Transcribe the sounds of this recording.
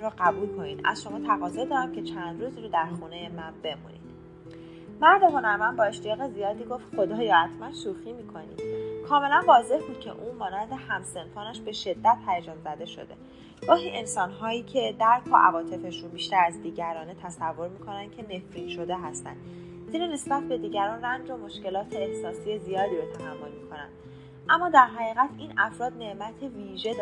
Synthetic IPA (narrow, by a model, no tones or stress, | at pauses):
ɾoɢæbuːlkʰo̞niːd̪ʔæ̰zʃo̞mɒːt̪ʰæɣɒːzɒːd̪ɒːɾæmcʰe̞t͡ʃʰænd̪ɾuːziɾod̪æɾxuːne̞jemænbe̞mṵnḭd̪̥ | mæɾd̪exonæɾmænbɒːe̞ʃt̪ijɒːɣe̞zijɒːd̪iːɡo̞ft̪xo̞d̪ɒːjɒːæt̪ʰmænsuːximiːkʰo̞nḭ̥ːkʰɒːme̞lænvɒːze̞hbuːd̪̥̚cʰe̞̰ʔuːmɒːnænd̪e̞hæmse̞nfɒːnæʃbe̞ʃe̞d̪ːæt̪̚ʰhæjed͡ʒɒːnzæd̪e̞ʃo̞̰d̪e | ɡ̥ɒːɦiːʔe̞nsɒːnɦɒːjiːcʰe̞d̪æɾkʰɒ̰ʔævɒːt̪ʰe̞fe̞ʃunbiːʃt̪æɾæzd̪iːɟæɾɒːne̞t̪ʰæsævːo̞ɾmikʰo̞næn̥cʰe̞ne̞fɾiːnʃo̞d̪e̞ɦæst̪æ̰nd̪̥ | zinine̞sbæt̪̚ʰbe̞d̪iːɟæɾɒːnrænd͡ʒo̞mo̞ʃce̞lɒːt̪ʰe̞ːhsɒːsijezijɒːd̪iːɾo̞t̪ʰæɦæmːo̞lmikʰo̞næ̰nd̪ | ʔæmːɒːd̪æɾɦæɣiːɣæt̪ʰiːnæfɾɒːd̪ne̞ʔmæt̪ʰe̞viːʒe̞d̪